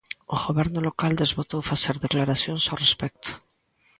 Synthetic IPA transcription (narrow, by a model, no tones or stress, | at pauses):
oɣoβɛɾnolokald̪ezβot̪owfaseɾðeklaɾaθjoŋsawrespɛk̚t̪o̥